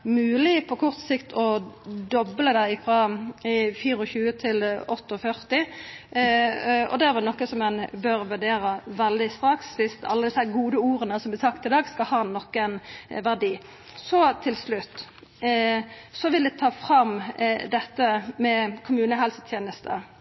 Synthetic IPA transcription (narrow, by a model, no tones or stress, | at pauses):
mʉːlɪpʰɔkʰɔʁt̪sɪkt̪ʰɔd̪ɔbləd̪æɪfɾɑ | fiːɾɔçʉːət̪ʰɪlɔt̪ːəɔfœʁt̪ɪ | ɔ̰d̪ɛæʁʋɛnɔkːəsɔmɛnbøɾʋʉɖeːɾəʋɛld̪ɪst̪ɾɑksʋɪst̪ɑ̰lːəd̪ɪsæɡuːd̪əuːɾənəsɔmblɛsɑkt̪ɪd̪ɑːɡskɑlhɑːnɔkːənʋæʁd̪iː | sɔt̪ʰɪlslʉt̪ː | sɔʋɪld̪ɛt̪ʰɑːfɾɑmd̪ɛt̪ːəmɛkʰʊmʉːnəɦɛlsə̥t̪ʰjeːnəst̪ʰə̰